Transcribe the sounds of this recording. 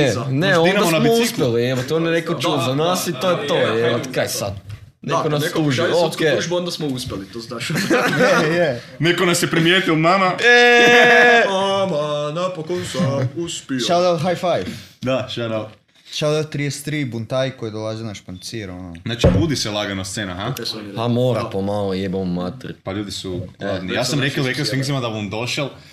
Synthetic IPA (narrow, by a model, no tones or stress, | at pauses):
eneoinnad̪asnamousspeliemat̪onenekot͡ʃud̪zanasit̪ojet̪ojeat̪kɾajsa̰d̪ | nekonaskuʒiooeond̪asmouspʲelit̪oznaʃ | je | nekonasjepɾimjeːt̪iomamae | manapokosuspioʃad̪alɦajfajfd̪aʃad̪al | ʃad̪alt̪ɾiest̪ɾibunt̪ajkojd̪olˠazenaʃpant̪siɾononat͡ʃibuːd̪iselˠaɡanast̪seːnaɦahamoːɾapomaloebommat̪rpaʎuːd̪isuad̪nijaːsamɾekeɾekesfĩŋzimad̪abond̪oʃalˠ